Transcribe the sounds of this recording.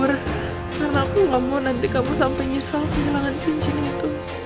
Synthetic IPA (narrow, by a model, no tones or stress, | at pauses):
ʊr | karnakuŋɡamɔnant̪ikamusampaɲisalpəɲəlaŋant͡ʃiɲt͡ʃinɡit̪u